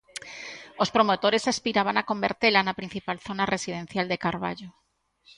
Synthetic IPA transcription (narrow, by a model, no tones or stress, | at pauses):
ospɾomot̪oɾesaspiɾaβ̞anakombḛɾt̪elanapɾin̟θipalθonaresiðen̟θjald̪ekaɾβa̰ʎo